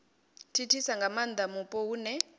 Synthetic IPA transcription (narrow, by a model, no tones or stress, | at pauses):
tʰitʰisaŋɡamand̪amupʼɔuːnɛ